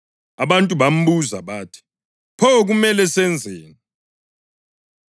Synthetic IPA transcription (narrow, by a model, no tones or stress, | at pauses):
aβantʼuβam̩ɓuzaβaːtʰi̥ | pʰɔɣumɛlɛsɛnd͡zʱɛːnɛ